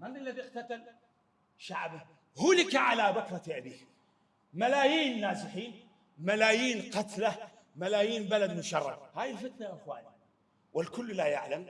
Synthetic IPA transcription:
manːilːaðiqt̪at̪al | ʃaʕba | huːlɪkaʕalabakɾˤɑʔabiːh | malaːjiːnːaːzɪħiːn | malaːjiːnqɑt̪la | malaːjiːnbalad̪mʊʃɑrˤːɑ̰d̪haːjɪlfɪt̪naʔɪxwa̰ːni | wɪlkʊlːlajaʕlam

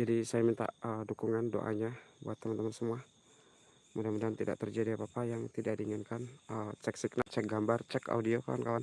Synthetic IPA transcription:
d͡ʒadisajamint̪a̰ʔədukuŋando̰ʔa̰ɲabṵat̪ːəmant̪əmansəmua | mudamudaant̪ida̰ʔt̪ərd͡ʒadiapapajaŋt̪idaʔdiːŋankanət͡ʃɛksiknaʔt͡ʃɛk̚ɡambart͡ʃɛka̰udioka̰wa̰nkawan

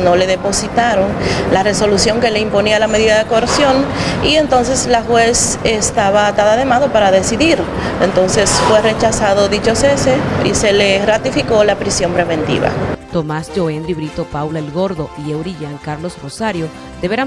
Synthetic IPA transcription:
no̞le̞ðe̞po̞sit̪aɾo̞nlare̞so̞lusjo̞ŋke̞le̞impo̞nialame̞ðiðaðekoeɾsjo̞nie̞nt̪o̞nse̞slaxwe̞sest̪aβat̪aðaðe̞maðo̞paɾaðe̞siðiɾent̪o̞nse̞sfwe̞re̞t͡ʃasaðo̞ðit͡ʃose̞seḭse̞lerat̪ifiko̞lapɾisjo̞mpɾe̞βe̞nt̪ḭβa̰t̪o̞masd͡ʒoend̪ɾiβɾit̪o̞pawlaelɣo̞ɾðo̞iewɾiʎaŋkaɾlo̞sro̞saɾjo̞ | d̪̥e̞βeɾa

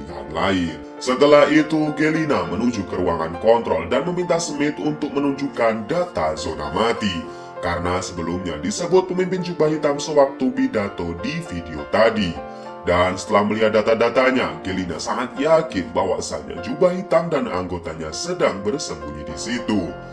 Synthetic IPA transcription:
ja̰ŋlaɪn | sət̪əlaɦit̪uɡelinamənuɲd͡ʒukəɾuaŋa̰nkɔnt̪ɾɔldanməmint̪ahsəmɪt̪unt̪ʊk̚mənuɲd͡ʒukandat̪azona̰mat̪i | kaɾənasəbəlumɲa̰disəbʊt̪̚pəmimpɪnd͡ʒubaɦit̪aŋsəwak̚t̪ubidat̪odifideot̪adi | dansə̥t̪əlahməliɦat̪̚dat̪adat̪aɲaɡelinasaŋat̪̚jakɪnbawa̰sa̰ɲa̰d͡ʒubaɦit̪aŋdana̰ŋɡot̪aɲasədaŋbərsəmbuɲidisit̪u

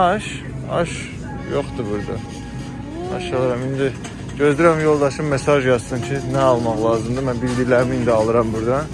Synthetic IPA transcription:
ɑʃ | ɑ̰ʃ | jo̞χd̪ɯbuɾd̪ɑ | ɑ̰ʃɑlˠɯɾɑmind̪i | ɟø̞zd̪yɾæmjo̞lˠd̪ɑʃɯmːesɑʒjɑzt̪ɯncʰinæɑlˠmɑχlˠɑːzɯmd̪ɯmænbild̪ijlæɾimind̪iɑlˠɯɾɑmbuɾd̪ɑ

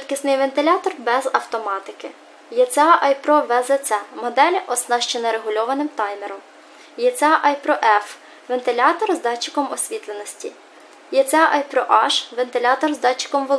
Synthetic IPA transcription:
t̪ʲkɪsnɪjʋent̪ɪlʲɑt̪ɔrbɛzɐwt̪ɔmɑt̪ɪkɪ | jɛt͡s̪ʲɑʔɑjpɾɔʋɛzɛsʲɛmɔd̪ɛlʲɐʔɔsnɑʃt͡ʃɛnɐɾeɦʊlʲɔʋɐnɪmt̪ɑjmeɾɔm | jɛt͡s̪ʲɑʔɑjpɾɔʔɛf | ʋent̪ɪlʲɑt̪ɔrzd̪ɑt͡ʃːɪ̥kɔmɔsʲʋʲit̪lˠenɔsʲtʲḭ | jɛt͡s̪ʲɛɑʔɑjpɾɔʔɑʃʋent̪ɪlʲɑt̪ɔrzd̪ɑt͡ʃːɪ̥kɔmʋɔ

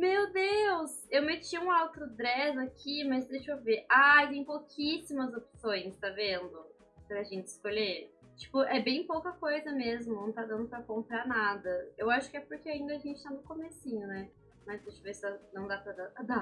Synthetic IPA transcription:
mewd̪ewsewmet͡ʃiũawt̪ɾʊd̪ɾɛzakʰʲimɐzd̪ejʃoveʔat̪ẽj̃pokʰisimɐzopsõj̃st̪avẽnd̪ʊ | pɾɐʒẽnt͡ʃɪskoʎet͡ʃi̥pʊʔɛbẽj̃powkɐkojzɐmezmʊnɐ̃w̃t̪ad̪ɐ̃nd̪ʊpɾɐkõmpɾanad̪ɐewaʃʊ̥kɪɛpʊɾkeaĩnd̪ɐaʒẽnt͡ʃɪ̥t̪anʊkomesĩɲʊnɛ | mɐzd̪ejʃovesɪanɐ̃w̃d̪apɾɐd̪ad̪a

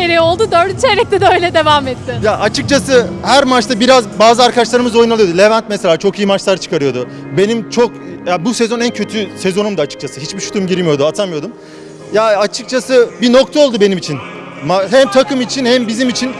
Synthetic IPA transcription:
eɾɛjo̞lˠd̪ud̪øɾd̪yt͡ʃʰeɾɛc̚t̪ʰɛd̪ɛøjlʲɛd̪e̞vaːmɛt̪ːɪjaʔat͡ʃʰɯk̚t͡ʃʰasɯhæɾmat͡ʃt̪abiɾazbaːzɯaɾkʰadaʃlˠaɾɯmɯzo̞junalˠɯjod̪ulʲevɛnt̪̚mɛselʲaːt͡ʃʰo̞kijimat͡ʃlˠaɾt͡ʃʰɯ̥kʰaɾɯjo̞d̪u | be̞nimt͡ʃʰo̞k | jabusezo̞næncʰø̞t̪ʰysezo̞numd̪at͡ʃʰɯ̥k̚t͡ʃʰasɯɦit͡ʃbiʃu̥t̪ʰumɟiɾimijo̞d̪uat̪ʰamɯjo̞d̪um | jaːt͡ʃʰɯk̚t͡ʃʰasɯbino̞k̚t̪ʰao̞lˠd̪ube̞nimit͡ʃʰin | maɦæmt̪ʰakɯmit͡ʃʰinhɛmbizimit͡ʃʰin

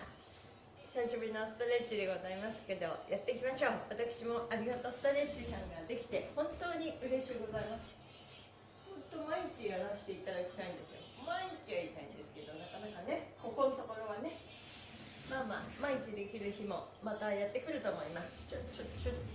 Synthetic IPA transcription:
st̪aiɕobɯ̟ɾʲino̞sɨ̥t̪o̞ɾe̞t͡ɕːid̪e̞ɡo̞zaimasɨ̥ke̞d̪o̞jʔat̪ːe̞ikʲimaɕo̞ːβat̪akɯ̟̥ɕimo̞ʔaɾʲiɡat̪o̞sɨ̥t̪oɾe̞t͡ɕisãŋɡad̪e̞kʲi̥t̪e̞hõ̞nt̪o̞ːɲ̟iʔɯ̟ɾe̞ɕiɯɡo̞zaimasɨ̥ | hõ̞nt̪o̞maiɲ̟it͡ɕijaɾaɕi̥t̪e̞it̪ad̪akʲi̥t̪aĩnd̪e̞sɨjo̞̰maiɲ̟it͡ɕiɡait̪aḭ̃nd̪e̞sɨ̥ke̞d̪o̞nakanakane̞ko̞ko̞not̪o̞ko̞ɾo̞ɡane̞ | maːma̰ːmaiɲ̟it͡ɕid̪e̞kʲiɾɯ̟çimo̞ | mat̪ajat̪ːe̞kɯ̟ɾɯ̟t̪o̞ːmo̞imasɨ̥t͡ɕot͡ɕot̪ːt͡ɕo

